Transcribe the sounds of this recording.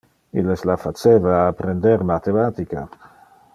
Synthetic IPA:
ileslafat͡ʃevaːpɾend̪eɾmat̪emat̪ika̰

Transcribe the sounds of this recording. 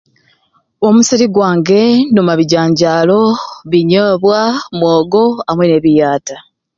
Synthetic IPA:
o̞musiɾiɡwaːŋɡe̞numaβiɟaːɲɟaːlo̞βiɲoːβwamwoːɡo̞amwene̞ːβijaːta

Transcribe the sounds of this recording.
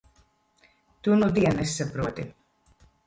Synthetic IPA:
t̪unud̪iɛnɛsʲːapɾuɔt̪i

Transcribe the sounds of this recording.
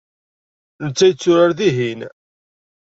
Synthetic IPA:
nət͡sːæjət͡sːʊɾaɾðiɦin

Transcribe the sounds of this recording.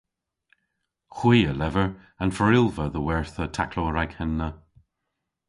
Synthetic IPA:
xwiːəlɛvəɹ | anfəɹɪlvəðəwɛɹθətʰa̰kloːɹaɡ̥hɛnːə

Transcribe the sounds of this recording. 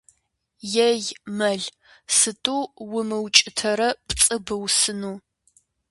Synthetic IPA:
jɛjmɐɮ | sɨtʼuːwʊmɨwt͡ʃʼɪtʰɐɾɐpʼt͡sʼɨbɨwsɨnuː

